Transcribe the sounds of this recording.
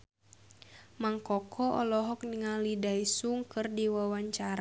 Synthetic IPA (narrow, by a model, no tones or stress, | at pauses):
maŋkɔkʰɔʔɔlɔɦɔk̚niŋalidaisuŋkɨrdiwawaɲt͡ʃaɾa